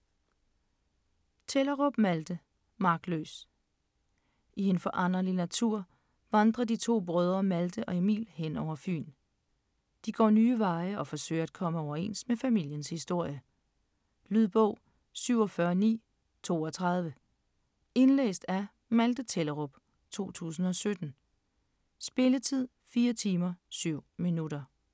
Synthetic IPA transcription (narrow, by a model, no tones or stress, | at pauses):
t͡sʰelɐʁɔb̥mæld̥ə | mɑ̈ɡ̥d̥lø̰ːs | ʔie̝nfɒʔɑ̈n̰ɐlinæt͡sʰuɐ̰ | ʋɑ̈nd̥ʁɐdit͡sʰo̝̰ːb̥ʁœːð̞ˠʁɐmæld̥əʔɒ̽e̝mḭːlhen̰ɒʊ̰ɐfy̰ːn | d̥iɡ̥ɒ̰ːnyːʋɑ̈ɪəɒ̽fɒ̽sø̰ɪ̰ɐæd̥̚kʰɒ̽məɒʊɐe̝̰n̰sd̥mefæmil̰jənshisd̥o̝ɐ̰jə | lyð̰ˠb̥ɔʊ̰ | syʊ̰ɒ̽fɶːɐnḭː | t͡sʰo̝̰ːɒ̽t͡sʰʁɑ̈ð̞ˠʋə | e̝nlḛːsd̥æ | mæld̥ət͡sʰeləʁob̥ | t͡sʰo̝̰ːt͡sʰṵːsn̩ɒ̽sød̥n̩ | sb̥e̝lət͡sʰið̞̰ˠfiːɐt͡sʰiːmɐsyʊ̰minuɾɐ